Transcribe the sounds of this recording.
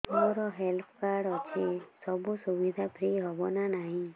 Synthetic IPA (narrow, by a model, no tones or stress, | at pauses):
t̪ɔɾɔɦelpʰkaɾɽɔt͡ʃʰisɔbusubid̪ʱapʰɾiɦɔbɔnanaɦĩ